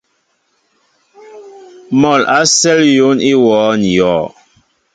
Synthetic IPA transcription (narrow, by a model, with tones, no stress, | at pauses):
mɔ˨la˦sɛ˦ljo˨˦ni˦wɔː˨˦n˨jɔː˨˦˨